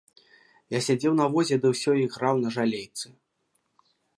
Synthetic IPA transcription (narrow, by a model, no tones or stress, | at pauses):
jasʲad͡zʲɛwnɐvɔzʲɛd̪ɨwsʲɔiɣrawnɐʐalʲejt̪sɨ